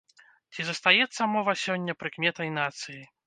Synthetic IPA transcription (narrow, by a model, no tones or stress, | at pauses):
t͡sʲizɐst̪ajɛt̪sːɐmɔvɐsʲɔnʲːɐpɾɨkmʲɛt̪ɐjnat̪sɨji